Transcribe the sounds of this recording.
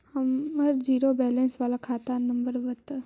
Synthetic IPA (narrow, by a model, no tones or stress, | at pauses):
hɐmɐɾd͡ʒiːɾobɛːlẽnsʋaːlakʰaːt̪anɐmbəɾʋɐt̪